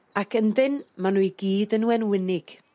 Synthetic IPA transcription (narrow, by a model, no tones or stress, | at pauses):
akʰəndɪnmanuːɨɡiːdənuɛnwɪnɪɡ̥